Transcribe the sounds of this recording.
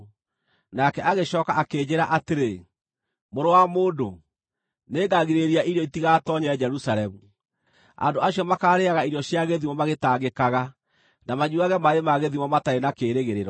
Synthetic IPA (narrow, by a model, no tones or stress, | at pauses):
nakɛʔaɣeɕɔkaʔakeːd͡ʑeɾaʔateɾe | moɾowamoːdo | neːɡaɣiɾeɾiaʔiɾjɔitiɣatɔɲɛɛd͡ʒɛɾusaɾɛmu | a̰ndoaɕiɔmakaːɾeaɣaiɾijɔɕjaɣeðimɔmaɣetaɣekaɣa | namaɲuaɣɛmaemaɣeðimɔmataɾenakeːɾeɣeɾeɾɔ